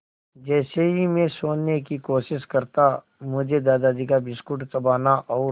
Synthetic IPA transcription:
d͡ʒɛːseɦimẽsoːnːekikoːʃɪʃkɐɾt̪a | mʊd͡ʒʱed̪aːd̪ad͡ʒikabɪskʊʈt̪ɐbaːnaʔɔː

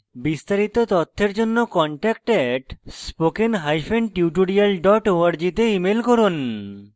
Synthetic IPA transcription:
bist̪aɾit̪ot̪ɔt̪ʰːeɾd͡ʑonːokɔɳʈɛk̚ʈɛʈspokenɦajfenʈiuʈ̬oɽialɖɔʈoaɾd͡ʑit̪eimelkɔɾun

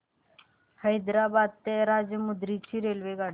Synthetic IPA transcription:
həjd̪ɾaːbaːd̪̚t̪eɾaːd͡ʒjəmʊd̪ɾiːt͡ʃʰiːɾeːlʋeɡaːɽ

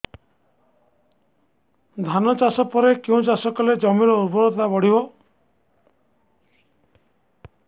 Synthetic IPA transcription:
d̪ʱanɔt͡ʃasɔpɔɾekeũt͡ʃasɔkɔled͡ʒɔmiɾɔuɾbɔɾɔt̪abɔɽibɔ

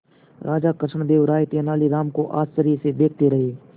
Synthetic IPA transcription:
ɾʔaːd͡ʒakəʃɳd̪eːʋɾaːjt̪eːnaːliɾaːmkoʔa̰ːst͡ʃəɾised̪eːk̚ʰt̪eɾɐɦeː

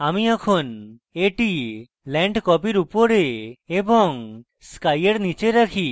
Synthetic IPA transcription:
amiakʰon | eʈi | lɛɳɖkɔpiɾupoɾeebɔŋ | skajeɽnit͡ʃeɾakʰi

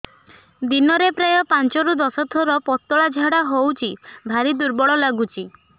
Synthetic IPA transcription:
d̪inɔɾepɾajɔpant͡ʃɔɾud̪ɔsɔt̪ʰɔɾɔpɔt̪ːɔɭad͡ʒʱaɽaɦowt͡ʃʰibʱaɾid̪uɾbɔɭɔlaɡut͡ʃʰi

